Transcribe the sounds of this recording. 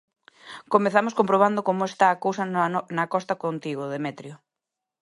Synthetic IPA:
komeθamoskompɾoβ̞and̪ʊkomoest̪aːkowsɐnɐkɔst̪ɐkont̪iɣʊðemɛt̪ɾjo

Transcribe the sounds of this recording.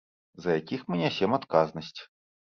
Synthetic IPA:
zɐjakʲixmɨnʲɛsʲɛmat̪kaznɐsʲt͡sʲ

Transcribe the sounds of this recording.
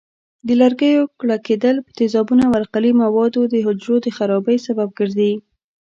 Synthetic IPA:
d̪əlaɾɡəjokɽaked̪əlpə̥t̪ɪzɑbunawaɾqalimawɑd̪od̪əɦʊd͡ʒɾod̪əxaɾɑbəjsabab̚ɡəɾd̪i

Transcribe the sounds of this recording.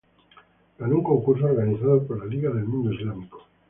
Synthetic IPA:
ɡanuŋko̞ŋkuɾs̬ooɾɣaniθaðopoɾlaliɣaðe̞lmũnd̪oizlamiko̥

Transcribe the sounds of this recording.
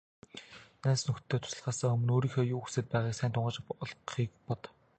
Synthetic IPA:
næːsnɵxtt̪ʰːeːt̪ʰʊ̥sə̆ɮʁaːsăŋɵmɵ̆noːɾiːŋxeːjuːxusĕt̪̚pæːʁaːksæːnt̪ʰʊɴɢə̆t͡ɕɮχiːk̚pɔt̪

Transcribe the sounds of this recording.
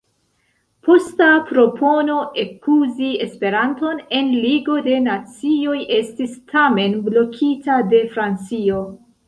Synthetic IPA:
pʰo̞stapɾo̞pʰo̞no̞ʔe̞kuziespe̞ɾanto̞ne̞nliɡo̞de̞nat͡sio̞jʔe̞stistʰame̞nblo̞kʰitade̞fɾant͡sio̞

